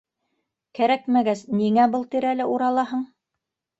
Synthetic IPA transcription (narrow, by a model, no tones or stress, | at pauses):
kæɾækmæɡæsniŋæbɤlˠt̪iɾælɘʔuɾɑlˠɑɦɤɴ